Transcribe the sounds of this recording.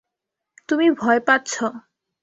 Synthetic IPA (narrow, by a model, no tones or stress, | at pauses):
t̪umibʱɔepatːɕʰo